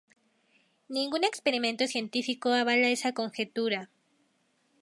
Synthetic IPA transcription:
nĩŋɡune̞kspe̞ɾimẽ̞nt̪o̞sje̞nt̪ifiko̞aβalae̞sako̞ŋxe̞t̪uɾa

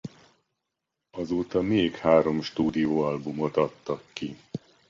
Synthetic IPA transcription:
ɒzoːt̪ɒmeːkhaːɾo̞mʃt̪uːd̪ijoːɒlbumo̞t̪ɒt̪ːɒkːi

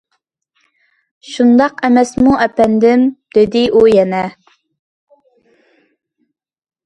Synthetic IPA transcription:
ʃund̪ɑqɛmɛsmuʔɛpɛnd̪ɪmd̪̥ɪd̪ɪʔujɛnɛ

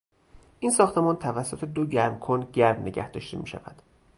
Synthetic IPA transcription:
ʔiːnsɒːxt̪ʰe̞mɒːnt̪ʰævæsːo̞t̪ʰe̞d̪oɟæɾmkʰonɟæɾmneɟæ̰hd̪̥ɒ̰ːʃt̪ʰḛmiːʃæ̰væ̰d̪̥

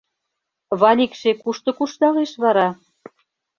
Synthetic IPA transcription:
βɑlʲikʃekuʃt̪ɤ̆kuʃt̪ɑleʃβɑɾɑ

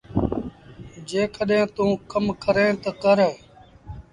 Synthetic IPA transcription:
d͡ʒeːkəɗɦẽːt̪ũːkəmkəɾẽːt̪əkəɾeː

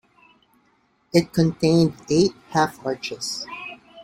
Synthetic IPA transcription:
ɪt̚kʰɨ̃ntʰẽɪ̃ndeɪt̚hæfʌt͡ʃɪz̥

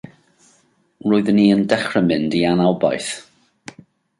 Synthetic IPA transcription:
roːɨðəniːəndɛχrəmɪndianalˠba̰jθ

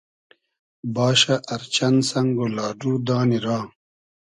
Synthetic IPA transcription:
bɑːʃaʔɐɾt͡ɕɐnsɐŋɡolɑːɖuːd̪aːniɾaː

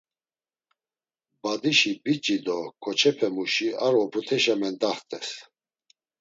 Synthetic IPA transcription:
bad̪iʃibit͡ʃʼid̪ɔkʰʼɔt͡ʃʰɛpʰɛmuʃiaɾɔpʰɾut̪ʰɛʃamɛnd̪aχt̪ʼɛs

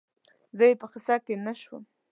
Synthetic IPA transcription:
zəjepəxɪsɑkenaʃwə̰m

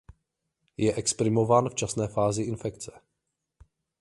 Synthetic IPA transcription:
jɛʔɛkspɾɪmo̞vaːnft͡ʃasnɛːfaːzɪʔɪnfɛkt͡sɛ̥

